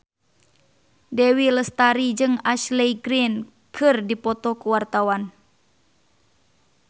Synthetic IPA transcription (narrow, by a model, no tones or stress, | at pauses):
dɛwiləst̪aɾid͡ʒɨŋaʃlɛiɡɾin | kʰɨrdipɔt̪ɔkuwart̪awan